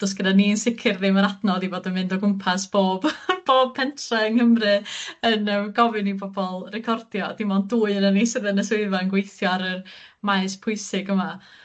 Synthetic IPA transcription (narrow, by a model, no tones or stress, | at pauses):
d̥ɔsɡ̥ədaninsɪkʰɪrðɪməɾadnɔðiboːdənmɪndɔɡʊmpʰasb̥oːb̥b̥oːb̚pʰɛntʰrɛənhəmrɨənəɡɔvɨnibɔbɔlˠrɛkʰɔrdjɔd̥imɔnduːɨənanisɪðənəsweɨvanɡwejθjɔaɾərmaɨspʰʊɨsɪɡəma